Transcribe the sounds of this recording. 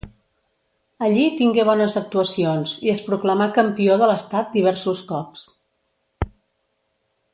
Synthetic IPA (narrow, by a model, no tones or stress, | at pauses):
əʎit̪iŋɡeβ̞ɔnəzək̚t̪uəsionziəspɾukləmakəmpioðələst̪at̪̚d̪iβ̞ɛɾsuskɔps